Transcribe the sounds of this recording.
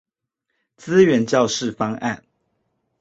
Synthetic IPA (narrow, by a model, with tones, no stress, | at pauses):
t͡sɹ̩˦ɥɛ˨˧˥nt͡ɕjɑ˥˨ʊʂɻ̩˥˨fɑ˥ŋʔa̰˥˨n